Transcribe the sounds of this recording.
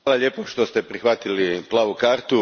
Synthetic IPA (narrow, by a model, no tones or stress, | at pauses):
laʎeːpoʃt̪ost̪epɾixʋat̪iliplˠaːʋukaːɾt̪u